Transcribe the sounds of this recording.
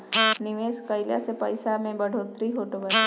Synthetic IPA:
nɪʋeskəjlja̰sepəjsamẽbəɽʱot̪ɾiɦoʈobə

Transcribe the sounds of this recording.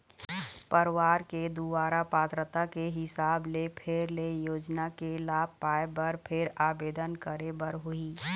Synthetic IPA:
pəɾʋaːɾked̪ubaːɾapaːt̪ɾət̪akeɦɪsaːblepʰeːɾlejoːd͡ʒnakelaːb̚paːebɐɾpʰɪɾaːbeːd̪ənkəɾebəɾɦʊiː

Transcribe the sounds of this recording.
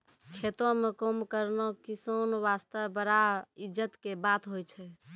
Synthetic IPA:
kʰet̪õmekomkəɾnokisənʋast̪əbəɾaid͡ʒət̪kebat̪ɦojt͡ʃʰɛ

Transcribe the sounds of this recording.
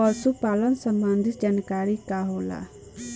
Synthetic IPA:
ɔlsupaːlənsəmband̪ʱɪt̪̚d͡ʒaːnkaːɾikaɦola̰

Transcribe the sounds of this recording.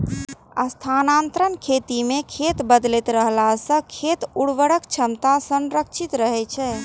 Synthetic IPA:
a̰st̪ʰanant̪ɾənkʰet̪imekʰet̪bəd̪lɛt̪ɾəɦlasə̃kʰet̪uɽʋəɽəkt͡ʃʰəmt̪asə̃nɾəkʃʰit̪ɾəɦɛt͡ʃʰɛ

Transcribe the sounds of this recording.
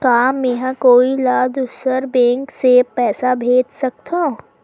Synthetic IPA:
kaːmẽɦãkoːilaːd̪ʊsəɾbẽːŋksepɛːsabʱeːd͡ʒsɐk̚t̪ʰã

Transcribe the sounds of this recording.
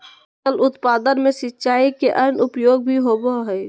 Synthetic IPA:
əlʊt̪pad̪ənmẽsɪtːʃaːikeʔənʊpjoːɡ̚bʱiɦoboɦəɪ

